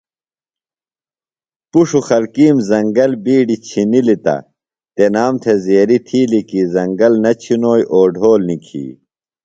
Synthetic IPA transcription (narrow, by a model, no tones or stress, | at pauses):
puʂuxɐlkiːmzɐŋɡɐlbiːɖit͡ɕʰinilit̪ɐ̰ | t̪enaːmt̪ʰezeːɾit̪ʰiːlikizɐŋɡɐlnɐt͡ɕʰinoːjʔoːɖʱoːlnikʰḭː